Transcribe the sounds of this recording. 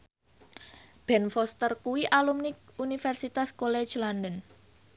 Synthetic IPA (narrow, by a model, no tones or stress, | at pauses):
b̥ɛnfɔst̪ərkuwiʔalumnikunifɛrsit̪askole̥d͡ʒlandən